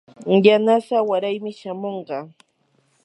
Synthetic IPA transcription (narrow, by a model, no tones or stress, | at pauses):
janasawaɾajmɪʃamoɴɢɑ